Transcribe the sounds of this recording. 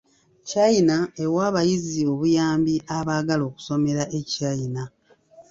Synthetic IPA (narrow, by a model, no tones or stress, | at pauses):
cajinae̞waːβajizio̞βujaːmbiʔaβaːɡalo̞ːku̥so̞me̞ɾaʔecajina